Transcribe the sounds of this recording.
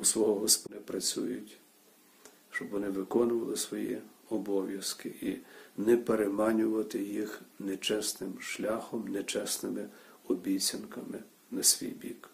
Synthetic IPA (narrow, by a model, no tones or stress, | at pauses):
usʋɔɦɔɦɔspɔnɛpɾɐt͡sʲṵjʊtʲ | ʃt͡ʃɔbʋɔnɪʋɪkɔnʊʋɐlˠɪsʋɔjḭ | ɔbɔʋʲjɐskɪʔinɛpeɾemɑnʲʊʋɐt̪ɪjixnɛt͡ʃɛsnɪmʃlʲaxɔmnɛt͡ʃɛsnɪmɪɔbʲijt͡sʲɐnkɐmɪ | nɐsʲʋʲḭjbʲḭk